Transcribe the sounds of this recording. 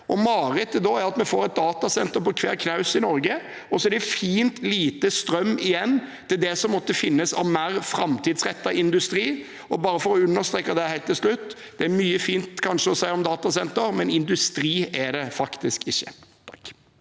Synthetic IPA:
ʔɔmɑːɾɛt̪əd̪ɔæɾɑt̪mɛfoːɾɛt̪̚d̪ɑːt̪ɑsɛnt̪əɾpɔkʰʋæːɾkʰnɑʉsɪnɔɾɡə | ɔsɔæɾɖ̪ɛfiːnt̪liːt̪əst̪ɾœmːɪjɛnːt̪ʰɪld̪ɛsɔmːɔt̪ːəfɪnːəsɑ̰ʋmæːɾfɾɑmt̪ʰiːd̪sɾɛt̪ːɑʔɪnd̪ʉst̪ɾiː | ɔbɑːɾəfɔɾɔʉnːəɾst̪ɾeːkɑd̪ɛhæɪlt̪ʰːɪlslʉt̪ːd̪̥ɛæɾmyːəfiːnt̪kʰɑnʂəɔsæɪɔmd̪ɑːt̪ɑsɛnt̪əɾmɛnɪnd̪ʉst̪ɾiːæɖɛfɑkt̪ɪskɪçːə̥̰

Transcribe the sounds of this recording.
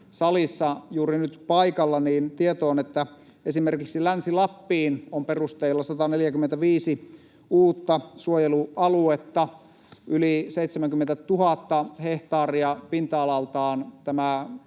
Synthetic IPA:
sɑlisːɑjuːrinyt̪pɑikɑlːɑniːnt̪iet̪oːnet̪ːæ | esimerkiksilænsilɑpːiːnomperust̪eːlːɑsɑt̪ɑneljækyment̪æʋiːsi | uːt̪ːɑsuojeluʔɑluet̪ːɑ | ʔyliseit̪semæŋkyment̪æt̪uhɑt̪ːɑheht̪ɑːriɑpint̪ɑːlɑlt̪ɑːnt̪æmæ

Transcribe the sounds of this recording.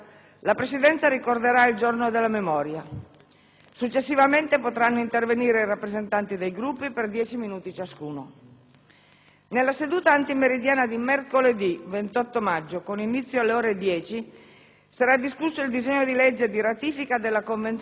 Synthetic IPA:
lapɾesid̪ɛnt̪saɾikord̪eɾaild͡ʒornod̪elːamemɔːɾja | sut͡ʃːesːivament̪epot̪ɾanːoint̪erveniːɾeirapːɾezent̪ant̪id̪ejɡɾupːiperd̪jɛːt͡ʃiminuːt̪it͡ʃaskuːno | nelːased̪uːt̪aːnt̪imeɾid̪jaːnad̪imerkoled̪ivent̪ɔt̪ːomad͡ʒːokoninit̪sːjoalːeoːɾed̪jɛːt͡ʃi | saɾad̪ːiskusːoild̪izeɲːod̪iled͡ʒːed̪iɾat̪iːfikad̪elːakoɱvent̪

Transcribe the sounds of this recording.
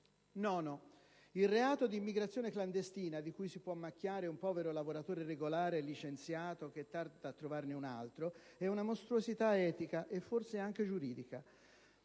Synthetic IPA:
nɔnɔ | ilreaːt̪od̪iːmːiɡɾat̪sjoːnekland̪est̪iːnad̪ikujsipwɔmːak̟ːjaːɾeumpɔːveɾolavoɾat̪oːɾereɡolaːɾelit͡ʃent̪sjaːt̪ok̟et̪ːard̪ad̪at̪ːɾovarneuna̰lt̪ɾo | ɛunamost̪ɾuozit̪aɛːt̪ikaʔefːorseaŋk̟ed͡ʒuɾiːd̪ika

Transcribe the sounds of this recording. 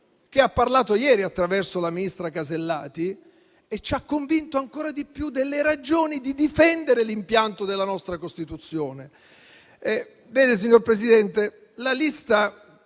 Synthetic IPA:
k̟eapːarlaːt̪ojɛːɾiat̪ːɾavɛrsolaminist̪ɾakazelːaːt̪i | et͡ʃːakːoɱvint̪oaŋkoːɾad̪ipjud̪elːeɾad͡ʒoːnid̪id̪ifɛnd̪eɾelimpjant̪od̪elːanɔst̪ɾakost̪it̪ut̪sːjoːne | ɛ | vɛːd̪es̬iɲːorpɾesid̪ɛnt̪e | lalist̪a

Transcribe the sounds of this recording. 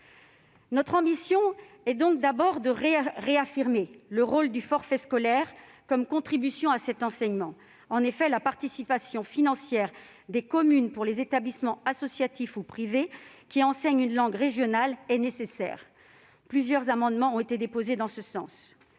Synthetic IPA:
nɔt̪χɑ̃bisjɔ̃ | ɛd̪ɔ̃k̚d̪abɔʁd̪əʁeʁeafiʁmeləʁold̪yfɔʁfɛskɔlɛʁ | kɔmkɔ̃t̪χibysjɔ̃asɛt̪ɑ̃sɛɲmɑ̃ | ɑ̃nefɛlapaʁt̪isipasjɔ̃finɑ̃sjɛʁ | d̪ekɔmynpuʁlezet̪ablismɑ̃asɔsjat̪ifupχivekʲiɑ̃sɛɲynlɑ̃ɡʁeʒjɔnalɛnesesɛ̰ːʁ | plyzjœʁzamɑ̃d̪mɑ̃ɔ̃et̪ed̪epozed̪ɑ̃səsɑ̰̃s

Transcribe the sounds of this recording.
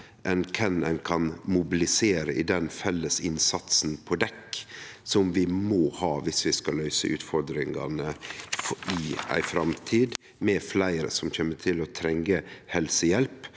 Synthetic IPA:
ʔɛnkʰɛnɛnkʰɑnmʊbɪlɪseːɾəʔɪd̪ɛnfɛlːəsɪnsɑt̪snpʰoːd̪ɛkːsɔmʋɪmoːhɑːʋɪsʋɪskɑlœʏsə̰ʔʉ̰ːt̪fɔɾd̪ɾɪŋɑ̰nə | ɪæ̰ɪfɾɑmt̪ʰiːd̪ | mɛflæɪɾə̰sɔmçeːmət̪ʰɪlɔt̪ʰɾɛŋəhɛlsəjɛlp

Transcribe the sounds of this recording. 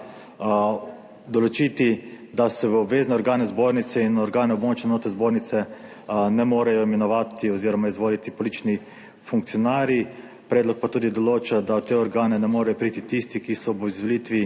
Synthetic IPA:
d̪ɔloɔt͡ʃiːt̪i | d̪asɛʋəɔbʋeːznɛɔɾɡaːnɛzboːɾnit̪sɛinɔɾɡaːnɛɔbmoːt͡ʃnɛnoːt̪ɾɛzboːɾnit̪sɛ | nɛmoːɾɛjɔimɛnɔʋaːt̪iɔziːɾɔmaizʋoːlit̪ipɔlit͡ʃni | fuŋk̚t̪sijɔnaːɾji | pɾɛːd̪lɔk̚pat̪uːd̪id̪ɔloːt͡ʃad̪awt̪ːeɔɾɡaːnɛnɛmoːɾɛjɔpɾiːt̪it̪ist̪ikisɔʋəizʋolit̪ʋi

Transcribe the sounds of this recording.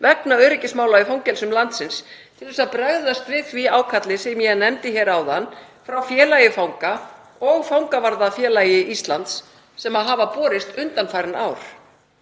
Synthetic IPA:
vɛknaœːɾɪcɪsmaːwlaifawŋcɛlsʏmlant̪sɪnst̪ʰɪlθɛsaðpɾaɣðast̪vɪðviaːwkʰat̪lɪsɛmjɛnɛmt̪ɪçɛːɾaːwðanːfɾawfjɛːlajɪfawŋka | ɔɣfawŋkavaɾðafjɛːlajɪʔist̪lant̪sː | ɛmaðɦaːvapɔːɾɪst̪ʏnt̪anfajɾɪnaːwɾ̥

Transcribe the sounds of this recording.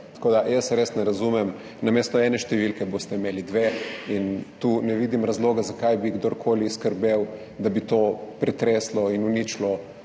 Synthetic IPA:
t̪ḁkoːd̪ajəsɾeːsnɛɾazumɛm | nameːst̪ɔɛːnɛʃt̪ɛʋilkɛboːst̪ɛimeːlid̪ʋeint̪unɛʋiːd̪imɾɐzloːɡazakajbiɡd̪oɾkʰoːliskəɾbew | d̪abit̪opɾɛt̪ɾeːslɔinunit͡ʃlɔ

